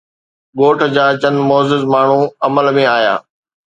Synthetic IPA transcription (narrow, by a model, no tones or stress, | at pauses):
ɠoːʈʰd͡ʑaːt͡ɕɐnmoːzɪzmaːɳ̤ũɐməlmẽaːja̰ː